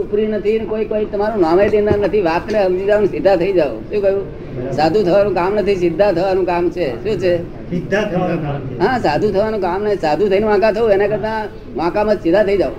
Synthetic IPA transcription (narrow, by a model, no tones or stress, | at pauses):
upɾinət̪ʰinkoikoit̪əmaɾũnamed̪inanət̪ʰiʋat̪nẽɦəmd͡ʒid͡ʒaʋunsɪd̪ʱːat̪ʰəid͡ʒaʋṵ̃ʃũkəɦũ | sad̪ʱũt̪ʰəʋanũkamnət̪ʰis̬ɪd̪ʱːat̪ʰəʋanũkamt͡ʃʰeʃũt͡ʃʰe | sɪd̪ʱːat̪ʰəaaɦãsad̪ʱũt̪ʰəʋanũkamnesad̪ʱũt̪ʰəinũʋãkãt̪ʰəũenakəɾt̪ã | ʋãkãmãd͡ʒsɪd̪ʱːat̪ʰəid͡ʒaʋṵ̃